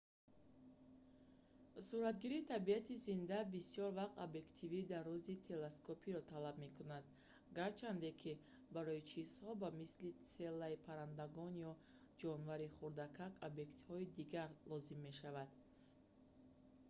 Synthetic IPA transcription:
suɾat̪̚ɡiɾit̪ʰabiat̪izind̪abisiɔɾvaqt̪obje̞kt̪ʰivid̪arːɔzit̪ʰe̞leskʰopʰiɾɔt̪ʰalabme̞kunad̪ | ɡaɾt͡ʃʰand̪e̞kʰi | baɾɔit͡ʃʰiz̥hɔbamislit͡se̞lːaipʰaɾand̪aɡɔnjɔ | d͡ʒɔnvaɾiχuɾd̪akʰakobje̞kt̪hɔid̪iɡaɾlɔzimːe̞ʃavad̪

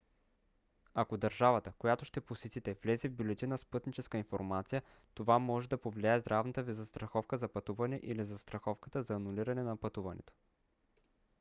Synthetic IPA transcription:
akod̪ɐɾʒavət̪əkojat̪oʃt̪ɛposɛt̪it̪ɛvlɛzivbjulɛt̪ʲinəspɤt̪nit͡ʃɛskəinfoɾmat̪sijə | t̪ovamɔʒɛd̪ɐpovlʲiaɛzd̪ɾʔavnət̪əvizɐst̪ɾɐxɔfkəzɐpɐt̪uvɐnɛʔilizɐst̪ɾɐxɔfkət̪əzɐːnuliɾɐnɛnɐpɐt̪uvɐnɛ̰t̪o̥

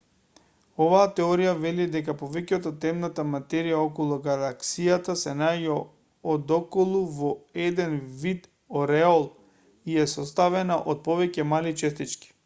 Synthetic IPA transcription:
ovaːt̪ɛoɾijavɛlid̪ɛkapovɛcɛt̪ɔt̪ɛmnat̪amat̪ɛɾijaokɔlˠuɡalˠaksijat̪asɛnaɟɛ | od̪ɔkɔlˠuvɔɛd̪ɛnvit̪ | oɾɛolˠ | iɛsɔst̪avɛnaʔot̪̚povɛcɛmalit͡ʃɛst̪it͡ʃki̥

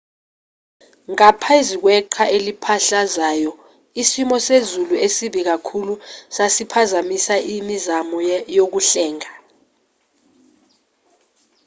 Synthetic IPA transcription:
ŋapʰaizik̬wɛǃʰaʔelipʰaɬazaːjɔ | isimɔsezuluesiɓik̬akʰulusasipʰazamisaʔimizamɔjok̬uɬɛːŋa

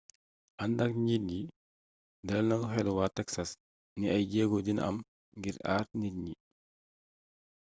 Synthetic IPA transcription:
ʔɐndɐkɲit̚ɲi | dɐlnɐɡɦɛlwaːtɛksɐs | niɐjɟɛːɡɔdinʔɐ̰m | ɡiɾa̰ːrnit̚ɲi

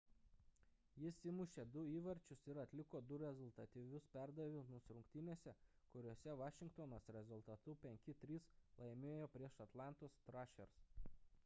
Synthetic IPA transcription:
jɪsʲɪmʊʃʲeːd̪ʊiːʋɐɾʲt͡ʃʲʊsɪɾɐt̪ʲlʲɪkoːd̪ʊɾʲɛzʊlˠt̪ɐt̪ʲiʋʲʊspʲæˑɾd̪ɐʋʲɪmʊsʲɾʊŋkt̪ʲɪnʲeːsʲɛ | kʊɾʲoːsʲɛʋɑːʃʲɪŋkt̪onoːsɾʲɛzʊlˠt̪ɐt̪ʊpʲɛŋʲkʲɪt̪ʲɾʲiːslˠɐɪmʲeːjoːpʲɾʲiɛʃɐt̪lˠɑˑnt̪oːst̪ɾɑʃʲɛ̰ɾs

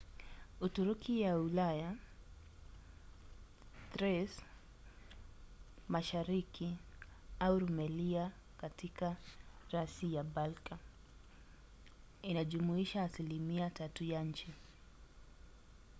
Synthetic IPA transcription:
utuɾukijaulaja | tɾɛs | maʃaɾiki | auɾumɛlia | katikaɾasijabalka | inaʄumuiʃaːsilimiatatujaɲ̩t͡ʃi

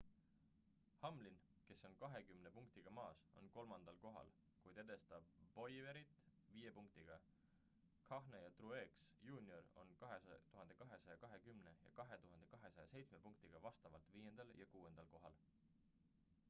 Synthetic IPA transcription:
hɑmlin | ke̞sːo̞nkɑɦe̞kymne̞puŋk̚t̪iɡ̥ɑmɑːso̞̰nko̞lmɑnd̪̥ɑlko̞ɦɑ̰l | kujd̪̥e̞d̪̥est̪ɑb̥̚ːo̞jve̞ɾit̪ˑviːje̞puŋk̚t̪iɡ̥ɑ | kʰɑxnejɑt̪rue̞ksjuːnio̞ro̞̰nkɑɦet̪uɦɑnd̪e̞kɑɦe̞sɑjɑkɑɦe̞kymne̞jɑ̰kɑɦe̞t̪uɦɑnd̪ekɑɦe̞sɑjɑse̞jt̪sme̞puŋk̚t̪iɡ̥ɑvɑst̪ɑvɑlt̪viːje̞nd̪̥ɑljʔɑkuːe̞nd̪̥ɑlko̞ɦɑ̰l

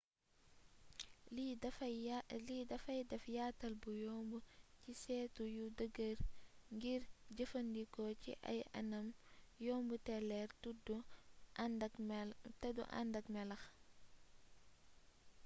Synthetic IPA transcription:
lidɐfɐjdɛfjaːtɐlbujɔːmbucisɛːtujudəɡərŋɡiɾɟəfɐndikɔcḭʔɐ̰jɐ̰nɐmjɔːmbutɛlɛrud | tɐdṵʔa̰ndɐkmɛlɐx

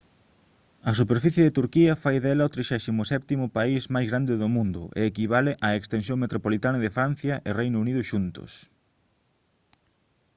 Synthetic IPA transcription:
ɐs̬upeɾfiθjeðet̪uɾkiɐfajðɛlɐot̪ɾiʃɛsimʊsɛp̚t̪imʊpaismajzɣɾand̪ɪðʊmũnd̪ʊ̰ʔḛːkiβaleʔɐekst̪ens̬jõŋmet̪ɾopolit̪anɐðefɾan̟θjɐʔɪrejnʊuniðʊʃunt̪ʊ̰s

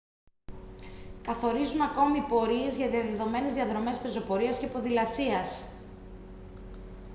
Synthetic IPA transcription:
kɐθo̞ɾizunɐko̞mipo̞ɾie̞zʝɐðiɐðe̞ðo̞me̞ne̞zðiɐðɾo̞me̞spe̞zo̞po̞ɾiɐscepo̞ðilɐsiɐs

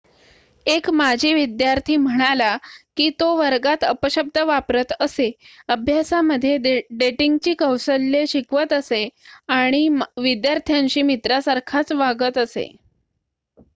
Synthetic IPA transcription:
ekmad͡ʑʱiːʋid̪jaɾt̪ʰiːm̤əɽ̃alakiːt̪oʋəɾɡat̪əpəɕəb̚d̪ʱəʋapɾət̪əseəbʱjasaməd̪ʱːjeɖeʈiŋɡt͡ɕiːkəwsəlːeɕikʋət̪əseaɽ̃iʋid̪jaɾt̪ʰjãɲt͡ɕiːmit̪ɾasaɾkʰat͡sʋaɡət̪əsḛ

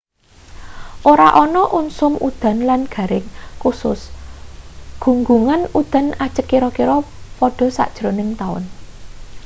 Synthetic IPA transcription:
ʔoɾaʔɔnɔʔunsʊmud̪̥a̤nlanɡ̥a̤ɾɪŋkusʊs | ɡ̥ṳŋɡuŋanud̪̥ä̤nad̥ʒ̥əkːiɾɔkiɾɔ | pɔɖ̥ɔ̤sa̰ʔd̥ʒ̥ɾonɪŋt̪aʊ̰n

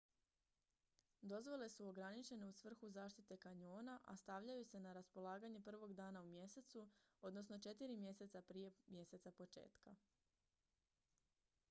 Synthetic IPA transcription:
d̪o̞zʋo̞le̞suo̞ɡɾanit͡ʃe̞ne̞usʋr̩xuzaːʃt̪it̪e̞kaɲo̞ːnaʔa̰st̪aʋʎajuse̞naɾaspo̞lˠaːɡaɲe̞pr̩ʋo̞ɡd̪aːnaumje̞se̞t̪suo̞d̪no̞sno̞t͡ʃe̞t̪iɾimje̞se̞t̪sapɾije̞mje̞se̞t̪sapo̞t͡ʃe̞̰ːt̪ka

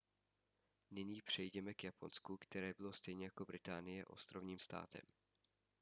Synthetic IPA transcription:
nɪɲiːpr̥ɛjɟɛmɛkjapo̞nskukt̪ɛɾɛːbɪlo̞st̪ɛjɲɛjako̞bɾɪt̪aːnɪjɛʔo̞̰st̪ɾo̞vɲiːmst̪a̰ːt̪ɛ̰m

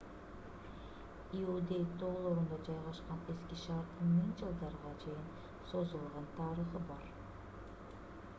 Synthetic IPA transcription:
iud̪ʲe̞jt̪oːlˠoɾund̪ɑd͡ʒɑjʁɑʃqɑne̞skʲiʃɑːɾt̪ːɯŋmiŋd͡ʒɨlˠd̪ɑɾʁɑt͡ʃʰe̞jin | so̞zulˠʁɑnt̪ʰɑːɾəχɯbɑɾ

